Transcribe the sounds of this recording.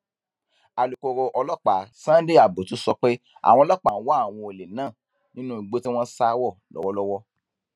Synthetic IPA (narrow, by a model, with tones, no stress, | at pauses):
a˨lu˨ko˨ɾo˧ʔɔ˧lɔ˦k͡pa˨sã˦de˦˨a˨bo˨tu˨˦sɔ˧k͡pe˦ | a̰˨wɔ̃˧˦lɔ˦k͡pa˨˦wɔ˦a˦˨w̃ɔ̃˧e˨le˨nãː˦˨ | nĩ˦nũ˦i˨ɡ͡bo˦ti˦w̃ɔ̃˦sa˧˦wɔ˦˨lɔ̰˨˦wɔ˦lɔ˦wɔ˦